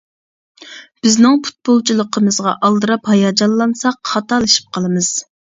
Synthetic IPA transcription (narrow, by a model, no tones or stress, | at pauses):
b̥ɪznɪŋpʰu̥t̪̚bolˠt͡ʃʰilˠəqʰəmɨzʁɑ̰ʔɑlˠd̪ɨɾɑphɑjɑd͡ʒɑnlːˠɑnsɑqχɑt̪ɑlˠɨʃi̥p̚qʰɑlˠɨmɨz̥